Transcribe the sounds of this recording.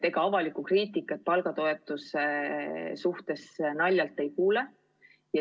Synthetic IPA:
e̞ɡ̥ɑɑvɑlikukriːt̪ˑikːˑɑt̪̚pɑlɡ̥ɑt̪o̞e̞t̪ːˑusesuht̪e̞snɑlʲjɑlt̪ːˑe̞jkuːle | jɑ

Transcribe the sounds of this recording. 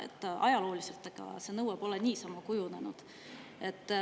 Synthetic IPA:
ḛt̪ːˑɑjɑlo̞ːlise̞lt̪ːˑeɡ̥ɑ̰se̞nɤwːeb̥o̞lenʲiːsɑmɑkujune̞nud̪̥ | e̞t̪ː

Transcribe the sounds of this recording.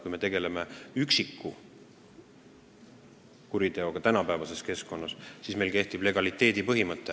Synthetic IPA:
kujme̞t̪e̞ɡ̥e̞le̞me̞yksikːˑu | kuɾit̪e̞o̞ɡ̥ɑt̪ænɑpæevɑse̞ske̞sko̞nːɑssisme̞jlke̞ht̪ib̥le̞ɡ̥ɑlit̪ːˑe̞ːd̪̥ipɤɦimɤt̪ːˑe

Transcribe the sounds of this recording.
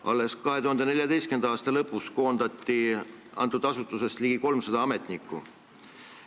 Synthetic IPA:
ʔɑ̰lːe̞skɑɦe̞t̪uhɑnd̪ene̞lʲjɑd̪e̞jstke̞nd̪ɑɑːst̪ɑlɤpːˑusko̞ːnd̪̥ɑt̪ːiɑ̰nt̪ˑud̪̥ɑsut̪ːˑuse̞st̪liɡ̥iko̞lmsɑd̪ɑɑme̞t̪ˑnikːˑṵ

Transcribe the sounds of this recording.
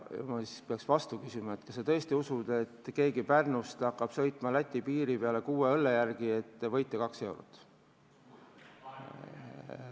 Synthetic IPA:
jɑ̰mɑsi̥speɑksvɑst̪ukysʲimɑet̪kɑ̥sːet̪ɤ̞est̪iusud̪̥e̞t̪ːke̞ːɡipærnust̪ɑkˑːɑb̥sɤ̞jt̪ˑmɑlæt̪ʲːˑipiːɾipeɑle̞kuːeɤlːejærɡ̥ie̞t̪ːevɤ̞jt̪ːˑekɑkse̞wɾo̰t̪ːˑ

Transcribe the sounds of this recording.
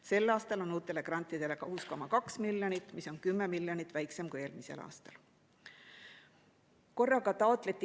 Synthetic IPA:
se̞lːɑːst̪ɑlo̞nuːt̪ːˑe̞le̞krɑnʲt̪ːˑid̪̥e̞le̞kɑhusko̞mɑkɑksmiljonit̪ːˑmiso̞nkymːe̞miljonit̪ːˑvæjkse̞mkujeːlmise̞̰lʔɑ̰ːst̪ɑ̰l | ko̞rːɑɡɑt̪ɑo̞t̪ˑle̞t̪ʲːˑi

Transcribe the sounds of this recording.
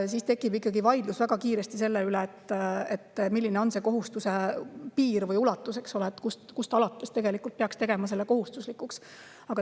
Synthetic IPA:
sist̪e̞kːˑibikːˑɑɡivɑjd̪̥lusvæɡ̥ɑkiːɾest̪ise̞lːeyleːt̪ːet̪ːmilʲːineo̞nse̞ːko̞ɦust̪use̞piːɾvɤjulɑt̪ːˑuse̞ksoleːt̪ːkust̪kust̪ɑlɑt̪ːˑest̪e̞ɡe̞likːˑult̪̚peɑkst̪e̞ɡe̞mɑs̬e̞lːe̞ko̞ɦust̪uslikˑuks | ɑɡ̥ɑ

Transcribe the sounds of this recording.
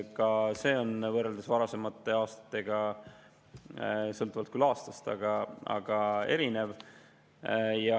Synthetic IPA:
kɑse̞ːo̞nvɤrːeld̪esvɑɾɑse̞mɑt̪ːˑe̞ɑːst̪ɑ̥t̪ːˑe̞ɡ̥ɑ | sɤlt̪ːˑuvɑlt̪kylɑːst̪ɑst̪ɑ̰ɡ̥ɑɑ̰ɡ̥ɑe̞ɾine̞v | jɑ

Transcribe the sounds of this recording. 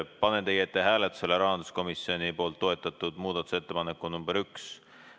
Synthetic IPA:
pɑnent̪e̞jet̪ːeɦæːlet̪ːu̥seleɾɑɦɑnd̪̥u̥sko̞misio̞nipo̞ːlt̪ːo̞e̞t̪ːˑɑt̪ːˑud̪muːd̪̥ɑt̪ˑu̥se̞t̪ːe̞pɑnekːˑunumbeɾyks

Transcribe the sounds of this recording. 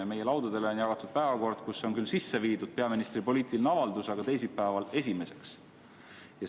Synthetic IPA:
eme̞je̞lɑwd̪̥ud̪e̞leonjɑɡ̥ɑt̪ːˑud̪̥̚pæevɑko̞rd̪̥kusːeo̞nkylsisːe̞viːd̪ud̪̥̚pe̞ɑminist̪ripo̞lʲiːt̪ˑilnɑvɑld̪usɑɡ̥ɑt̪e̞js̬ipæevɑle̞s̬ʲime̞se̞ks | jɑ

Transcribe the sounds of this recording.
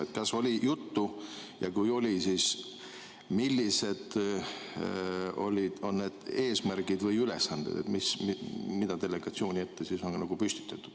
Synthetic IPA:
et̪̚kɑsːo̞lʲijut̪ːujɑkujo̞lʲisiːs | milːise̞d̪̥ | o̞̰lʲid̪̥o̞nːed̪̥e̞ːsmærɡ̥id̪vɤjyle̞̰sɑnd̪̥ḛd̪ḛt̪mismid̪̥ɑd̪e̞le̞ɡ̥ɑt̪sio̞ːnʲie̞t̪ːesiso̞nɡɑnɑɡ̥upysʲt̪i̥t̪ːˑɑt̪ːˑu̥d̥

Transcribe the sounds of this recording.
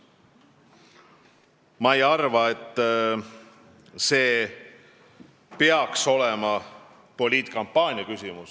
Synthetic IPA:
mɑejɑrvɑe̞t̪ː | se̞ː | peɑkso̞lɛmɑ | po̞lʲiːt̪ˑkɑmpːˑɑːnʲiɑkysimus

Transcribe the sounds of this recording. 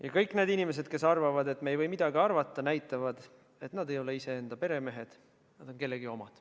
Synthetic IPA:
jɑkɤjkːˑneːd̪inʲime̞s̬e̞d̪̥ke̞sɑrvɑvɑd̪e̞t̪me̞jvɤjmid̪̥ɑɡiɑrvɑt̪ːˑɑnæjt̪ːˑɑvɑd̪̥ | e̞t̪nɑd̪e̞jo̞le̞ise̞end̪ɑpe̞ɾe̞me̞ɦe̞d̪̥ | nɑd̪̥o̞nke̞lːeɡio̞mɑd̪̥

